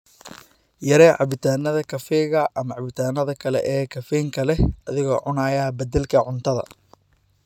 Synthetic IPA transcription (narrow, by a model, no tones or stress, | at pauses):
jɐɾɛːʕɑβɪt̪ʰaːnɐðɐkʰɐfɛːɣɐʔɐmɐʕɑβɪt̪ʰaːnɐðɐkʰɐlɛ̰ʔɛːkʰɐfɛːŋkʰɐlɛhɐðɪɣɔːʕʊnaːjɐbɐd̪ɛlkʰɐʕʊnt̪ʰɐðɐ̰